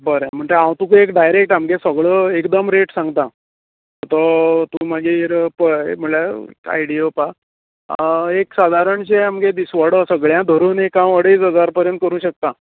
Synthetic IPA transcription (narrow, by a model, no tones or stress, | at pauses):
bəɾẽm̤əɳd͡zeãwt̪ũkuekɖajɾek̚ʈamɡesəɡɭəekd̪əmɾeʈsãŋɡt̪ã | ɔt̪ɔt̪ũːmaɡiɾpəḛm̤əɳlaḛka̰jɽiopa | eksad̪ʱaɾəɳt͡ɕeamɡed̪isʋəɽɔsəɡɭjãd̪ʱəɾuːnekãwəɽeːt͡sɦəd͡zaɾpəɾjənt̪kəɾũːɕək̚t̪a